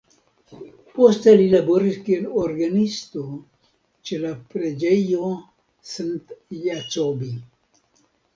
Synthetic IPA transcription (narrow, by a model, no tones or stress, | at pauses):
post̪ɐlilaboɾiɾkieloɾɡanist̪o | t͡ʃelapɾed͡ʒəjo | sɨnt̪jat͡sobi